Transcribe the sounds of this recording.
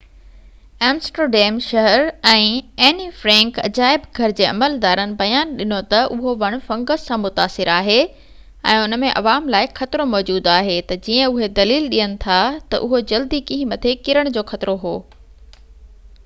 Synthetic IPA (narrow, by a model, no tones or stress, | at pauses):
ɛ̃ːmsʈəɖɛːmʃɐɦəɾɛ̃ːɛːnifɾɛ̃ːŋkɐ̰d͡ʑaːɪbɡʱɐɾɪd͡ʑeːɐ̰məld̪aːɾənɪ̆bɐjaːnɗɪnot̪ɐʔʊɦoʋɐɽ̃ʊ̆fɐ̃ŋɡəzsãmʊt̪aːsɪɾaːɦe | ɛ̰̃ːʊnə̆mẽʔɐ̰ʋaːmlaːɪxɐt̪ɪɾomɔːd͡ʑuːd̪aːɦet̪ɐd͡ʑiːə̃ʊɦed̪ɐliːlɗiːənɪ̆t̪ʰat̪ɐ̰ʔʊɦod͡ʑɐld̪ikĩɦĩmɐt̪ʰekɪɾəɽ̃d͡ʑoːxɐt̪ɪɾoɦoː